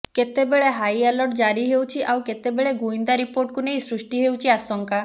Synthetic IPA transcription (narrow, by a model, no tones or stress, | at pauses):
ket̪ebeɭeɦajalɔʈd͡ʒaɾiɦewt͡ʃʰiʔawket̪ebeɭeɡuind̪aɾipoɾʈ̚kunejsɾusʈiɦewt͡ʃʰiasɔŋka